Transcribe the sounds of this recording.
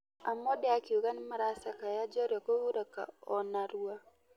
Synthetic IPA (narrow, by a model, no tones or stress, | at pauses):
amodeakiuɣanimaɾasakajad͡ʒɔɾɔkoβuɾaka̰ɔnaɾwwa